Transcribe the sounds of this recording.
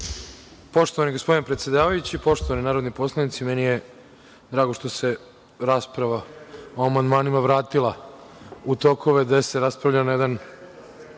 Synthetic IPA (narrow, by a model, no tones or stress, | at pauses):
po̞ʃt̪oaniɡospo̞d̪inepɾet̪sje̞d̪aːʋajut͡ɕipo̞ʃt̪oʋaninaːɾo̞d̪nipo̞slˠanit̪simenije | d̪ɾaːɡo̞ʃt̪o̞se̞ | ɾaːspɾaʋaoamand̪maːnimaʋɾaːt̪ilˠa | ut̪o̞kʰo̞ʋe̞d̪ese̞ɾaspɾavʎanajed̪an